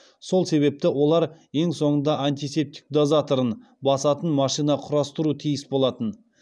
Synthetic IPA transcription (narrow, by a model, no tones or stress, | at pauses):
so̞lˠse̞βe̞p̚t̪ɪwo̞lˠɑɾje̞ŋso̞ɴənd̪ɑʔant̪ise̞p̚t̪ɪ̥k̚d̪ozat̪o̞ɾən | bɑsɑt̪ənmɑʃijnɑqʰʊɾɑst̪əɾut̪ʰijɪsbo̞lˠɑt̪ən